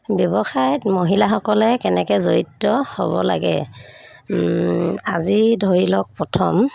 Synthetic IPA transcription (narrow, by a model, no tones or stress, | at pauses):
bjɔbɔxajɔtmoɦilaxɔkɔlɛkɛnɛkɛzoitːɔhobɔ̰la̰ɡɛ̰ | azidʱoɹilɔk̚pɹɔtʰɔm